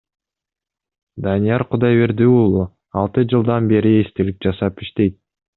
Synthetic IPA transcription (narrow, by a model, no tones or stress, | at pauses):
d̪ɑnijɑɾqʰʊd̪ɑjβe̞ɾd̪yulˠu | ɑlˠt̪ɯd͡ʒɯlˠd̪ɑnbe̞ɾiest̪elip̚d͡ʒɑsɑpiʃt̪e̞jt̪̚